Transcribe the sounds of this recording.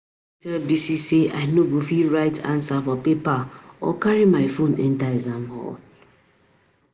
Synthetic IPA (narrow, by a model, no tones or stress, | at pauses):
tɛldisiseaɪnoɡofiɾaɪtʰã̰nsafɔpepaɔ̰kaɾɹimaɪfonɛ̰̃ntaɪzamhɔ̰l